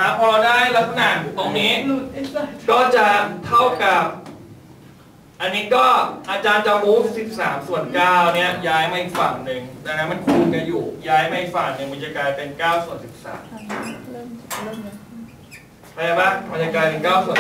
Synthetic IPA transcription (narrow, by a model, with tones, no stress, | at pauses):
t̪ʰaː˨˩˦pʰɔː˧lɔː˧daː˥˩jla˦˥t̪̚sa˧na˨˩nt̪oː˧ŋniː˦˥ | kɔː˥˩t͡ɕa˨˩t̪ʰa˥˩wka˨˩p̚ | ʔa˧nːiː˦˥kɔː˥˩ʔa˧t͡ɕaː˧nt͡ɕa˧muː˦˥p̚si˨˩p̚sa̰ː˩˦msu˨˩ənkaː˥˩wni˦˥˩ɐjaː˦˥jma˧˩˨ʔi˨˩k̚fa̰˨˩ŋnɯ˨˧ŋdaː˧ŋa˦˥ma˧˨nkʰuː˧nka˧˩njuː˨˩jaː˦˥jmaː˧˩ʔi˨˩k̚faː˨˩ŋ̚nɯ˨˧ŋba˦˧n̚jaː˧kaː˧npe˧nkaː˥˩wsu˨˩ənsi˨˩p̚sa̰ː˩˦m | pʰa˧jaː˧ba˧˥˩ba˧njaː˧kaː˧npe˧nkaː˥˩wsu˨˩ə